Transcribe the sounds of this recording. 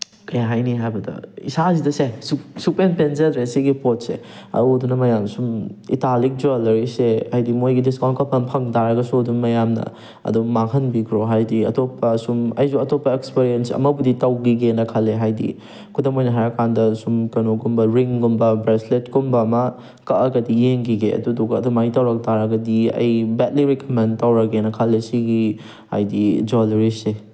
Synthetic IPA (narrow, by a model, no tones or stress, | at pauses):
kɐjaɦajniɦajbɐdɐ̰ḭsazidɐsesusupenpenzɐdɾesiɡipot̚sḛ | ɐ̰odunɐmɐjamsumḭtalik̚d͡ʒoalɐɾiseajdimojɡidiskawnt̚kɐpʰɐnpʰɐŋdaɾɐɡɐsudunmɐjamnɐ̰ | ɐ̰dumakʰɐnbikʰɾoɦajdiɐ̰topːɐsumɐjzuɐtopːɐekspiɾijensɐ̰mɐbuditɐwɡiɡenɐkʰɐlːeɦajdḭ | kʰudɐmojnɐɦaɾɐkʰandɐsumkɐnoɡumbɐɾiŋɡumbɐbɾesletɡumbɐmɐ | kɐʔɐɡɐdijeŋɡiɡeɐ̰dudoɡɐɐdumaitɐwɾɐk̚taɾɐɡɐdiɐ̰jbɛt̚liɾikomentawɾɐɡenɐkʰɐlːesiɡi | ha̰jdid͡ʒolɾise